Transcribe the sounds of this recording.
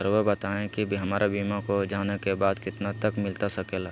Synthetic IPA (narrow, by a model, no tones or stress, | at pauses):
əɾʋəbɐt̪aːẽkibɦɐmaːɾabiːmakod͡ʒaːnekebaːd̪kɪt̪nat̪ɐkmɪlt̪asɐkeːlaː